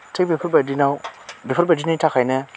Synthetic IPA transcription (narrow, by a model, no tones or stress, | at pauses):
tʰek̚bipʰuɾbadinawbipʰuɾbadinitʰakʰajne